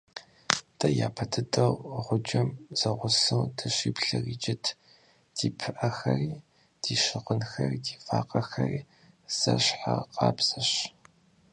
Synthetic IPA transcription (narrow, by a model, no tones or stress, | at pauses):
d̥ʰɐjaːpʰɐtʰɨtʼɐwʁʷʊd͡ʒɐmz̥ɐʁʷʊsɨwdɐɕiːpɬɨriːd͡ʒʼɪtʰ | d̥iːpʰɨʔɐxɐriː | d̥iːɕɪʁʷʊnxɐridiːfaːqʼɐxɐriː | z̥ɐɕħaqɑːbz̥ɐɕ